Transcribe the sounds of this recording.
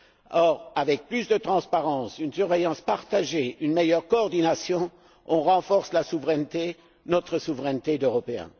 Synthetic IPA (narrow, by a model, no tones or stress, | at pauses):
ɔʁavɛk̚plysd̪ət̪χɑ̃spaʁɑ̃synsyʁvejɑ̃spaʁt̪aʒeynmejœʁkɔːʁd̪inasjɔ̃ | ɔ̃ʁɑ̃fɔʁslasuvʁɛnt̪e | nɔt̪χəsuvʁɛnt̪ed̪øʁɔpeɛ̰̃